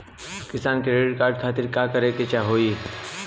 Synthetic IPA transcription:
kɪst̪aːnkeeʈkaːɾɖ̚kʰaːt̪ɪɾkaːkəɾeket͡ʃaɦoːi

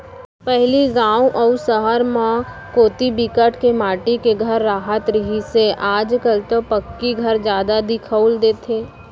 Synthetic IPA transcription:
pɛɦliɡãːuʔɔːusəɦəɾmã | koːt̪ibikəʈkemaːʈikeɡʱəɾːaːɦət̪ɾəɦiseʔaːd͡ʒkəlt̪opəkːiɡʱɐɾd͡ʒjaːd̪ad̪ɪkʰəʊld̪eːt̪ʰeː

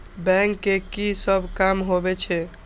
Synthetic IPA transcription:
bɛ̃ŋkːekisəbʱkamɦobɛt͡ʃʰɛ

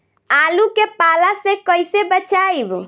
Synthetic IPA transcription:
alukepalasẽkəjsebət͡ʃajb

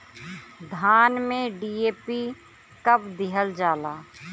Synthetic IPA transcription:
d̪ʱaːnmẽɖiːeːpi | kəbd̪ɪɦəld͡ʒaːlaː

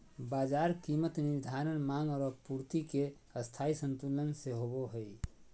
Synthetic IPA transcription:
bad͡ʒaɾkimət̪niɾd̪ʱaɾənmaŋɡɔːɾəpuɾt̪ike | əst̪ʰaisənt̪ulənseɦoboɦəj

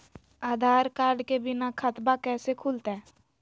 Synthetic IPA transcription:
aːd̪ʱaːɾkaːɾɖkebɪnakʰət̪bakɛːsekʰuːlt̪ɛː

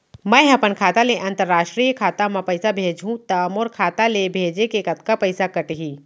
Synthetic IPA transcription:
mɐ̃ɦɐpənkʰaːt̪aleʔɐ̃nt̪əɾːaːʃʈɾiːjkʰaːt̪amɐ̃pɐɪsabʱeːd͡ʒɦũt̪ɐmoɾkʰaːt̪alebʱeːd͡ʒekeːkɐt̪kapɐɪsakɐʈɦiː

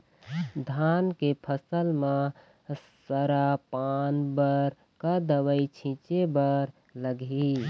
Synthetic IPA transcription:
d̪ʱankepʰəsəlme | səɾapanbəɾ | kəd̪əwəit͡ʃʰĩt͡ʃebəɾ | ləɡʱi

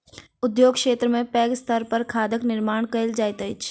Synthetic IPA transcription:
ʊd̪joːɡkʃeːt̪ɾəmẽpɛːɡst̪əɾpɐɾkʰaːd̪əknɪɾmaːɳ̃kəɪld͡ʒaːjt̪əɪt͡ʃ

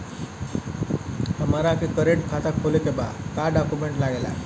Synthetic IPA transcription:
t̪əmaɾakikəɾeʈkʰat̪akʰolekeba̰kaɖɔkumeɳʈlaɡela̰

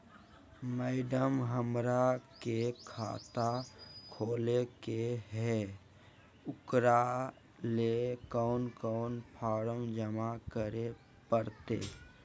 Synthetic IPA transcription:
mɛɪɖəmɦəmɾakekʰa̰ːt̪akʰoːlekeɦɛ | ʊkɾa | lekɔʊnkɔːnpʰɔːɾəmd͡ʒəmakəɾe | pəɾt̪ḛ

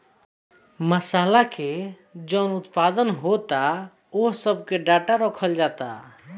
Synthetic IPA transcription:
məsaːlake | d͡ʒɔʊnʊt̪pad̪ənɦot̪a | oɦsəbkeɖaʈaɾɔkʰəld͡ʒaːt̪a̰

